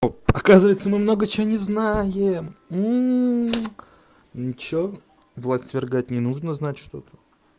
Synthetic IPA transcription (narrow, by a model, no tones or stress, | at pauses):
oɐkazɨvəjt̪səmɨmno̞ɡət͡ɕɪvonʲɪznajɪm̩ | nt͡ɕvo | vlˠasʲt̪vʲɪrɡat̚ʲnʲɪnuʐnəznatʲʂt̪o̞t̪ʰə̥